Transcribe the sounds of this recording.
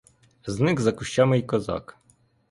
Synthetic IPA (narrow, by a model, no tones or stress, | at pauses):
znɪɣzɐkʊʃt͡ʃamɪjkɔzɑ̰k